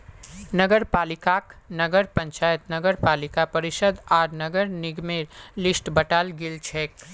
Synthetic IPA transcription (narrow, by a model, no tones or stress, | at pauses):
nəɡəɾpaːlikaknəɡəɾpə̃ɲt͡ʃaːjət̪nəɡəɾpaːlɪkapəɾɪʃəd̪ʱaːɾnəɡəɾnɪɡmeɾlɪsʈbəʈalɡɪlt͡ʃʰɛːk